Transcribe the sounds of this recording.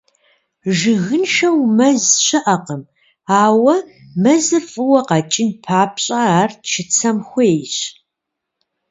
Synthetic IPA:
ʒɪɣɨnʃɐwmɐzɕɐʔɐqəm | aːwɐ | mɐzɨrfʼɨwɐqɑt͡ʃʼɪnpʰaːpɕʼɐaːrtʃɪt͡sʰɐmxʷɔeːɕ

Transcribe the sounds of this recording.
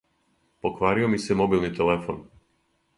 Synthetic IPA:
po̞kʋaːɾiomisemo̞bilˠnit̪elefo̰n

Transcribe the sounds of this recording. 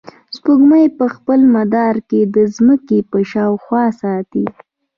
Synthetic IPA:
spuɡmajpəxpəlmad̪ɑɾked̪əzməkepəʃɑwxwɑsɑt̪i

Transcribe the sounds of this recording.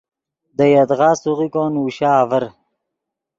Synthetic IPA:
d̪əjad̪ʁɑːsuʁikoːnuɕaːvəɾ

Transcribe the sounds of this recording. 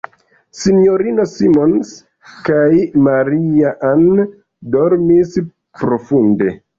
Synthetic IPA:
sinjoɾino̞simo̞ns | kajmaɾiaʔan | do̞ɾmis | pɾo̞funde̞

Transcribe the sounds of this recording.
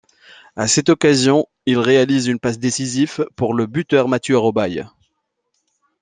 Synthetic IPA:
asɛt̪ɔkazjɔ̃ | ilʁealizynpasd̪esizifpuʁləbyt̪œʁmat̪jøaʁɔbaj

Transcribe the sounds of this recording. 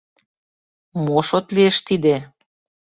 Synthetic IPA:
moʃot̪lieʃt̪id̪e

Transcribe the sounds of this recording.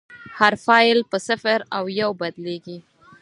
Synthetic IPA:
haɾfɑjlpəsafaɾawjawbad̪leɡi

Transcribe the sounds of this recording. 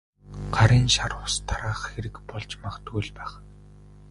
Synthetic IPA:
ɢ̥aɾiːnʃaɾʊst̪ʰːaɾaːχxeɾɘ̆kpɔɮt͡ɕmaχt̪ujɮpæːχ

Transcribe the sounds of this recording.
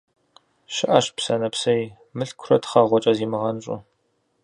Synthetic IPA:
ʃɪʔaɕpsɐnɐpsɐj | mɨɬkʷʰrɐtχɐʁʷɔt͡ʃʼɐziːmɨʁɐnɕʼʊ̰

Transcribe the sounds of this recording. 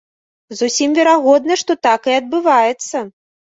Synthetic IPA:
zusʲimvʲɛɾaɣɔd̪nɐʂt̪ɔt̪akɨɐd̪̚bɨvajɛt̪sːɐ

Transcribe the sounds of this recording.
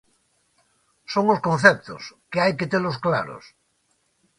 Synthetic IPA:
soŋoskõn̟θep̚t̪o̰skeajket̪eloskla̰ɾo̰s

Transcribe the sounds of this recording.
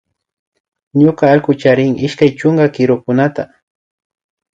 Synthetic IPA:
ɲʊkaːʎkʊt͡ʃaɾɪŋɪʃkajt͡ʃʊŋɡakɪɾʊkʊnat̪a

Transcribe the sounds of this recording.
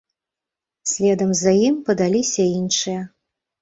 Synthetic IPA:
sʲlʲɛd̪ɐmzɐjimpɐd̪alʲisʲɐinʂɨjɐ

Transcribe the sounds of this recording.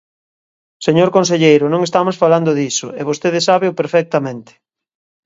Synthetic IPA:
seɲoɾkõns̬eʎejɾʊnõŋest̪amosfaland̪ʊðisʊeβ̞ost̪eðɪsaβeʊpeɾfɛk̚t̪ɐmẽnt̪ɪ̥

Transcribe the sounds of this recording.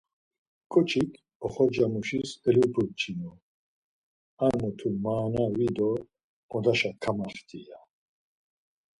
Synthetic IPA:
kʰʼɔt͡ʃʰikʰ | ɔχɔd͡ʒamɔʃisɛlupʰut͡ʃʰinɔ | anɔt̪ʰumaːnawid̪ɔ | ɔd̪aʃakʰamaχt̪ʰʼija

